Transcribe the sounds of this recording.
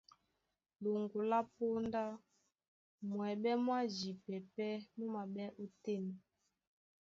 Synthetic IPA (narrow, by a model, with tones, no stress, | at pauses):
lo˨ŋɡu˨la˦po˦nda˦ | mwɛ˨ɓɛ˦mwa˦zi˨pɛ˨pɛ˦mu˦ma˨ɓɛ˦ʔu˦tɛ˦mɛ˨